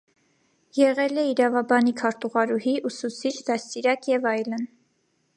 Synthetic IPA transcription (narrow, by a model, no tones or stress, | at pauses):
jɛʁɛlɛiɾɑvɑbɑnikʰɑɾt̪uʁɑɾuhiʔusut͡sʰit͡ʃʰd̪ɑst̪iɾɑkjɛvɑjlən